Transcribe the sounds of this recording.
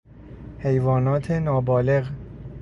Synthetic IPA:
he̞jvɒːnɒːt̪ʰenɒːbɒːle̞ɣ

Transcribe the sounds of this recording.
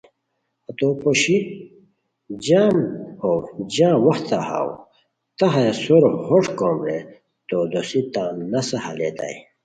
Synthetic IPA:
ɐt̪opoɕi | d͡ʑaːmhowd͡ʑãːwɐxt̪aha̰w | t̪ɐɦesoɾhoʈkõmɾe | t̪od̪osit̪ãːnɐsɐhɐ̰lḛːt̪a̰i

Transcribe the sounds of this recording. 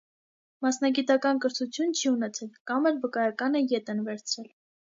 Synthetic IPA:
mɑsnɑɡit̪ɑkɑnkəɾt̪ʰut͡sʰjunt͡ʃʰiunɛt͡sʰɛlkɑmɛɾvəkɑjɑkɑnəjɛt̪ɛnvɛɾt͡sʰɾɛl

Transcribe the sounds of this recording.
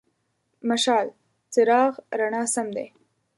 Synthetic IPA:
maʃɑːl | t͡səɾɑɣɾaɳɑːsamd̪ḛ

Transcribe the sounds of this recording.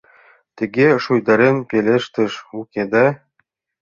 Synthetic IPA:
t̪ɘ̆ɡʲeʃujd̪ɑɾenpʲelʲeʃt̪ɘ̆ʃukʲed̪æ

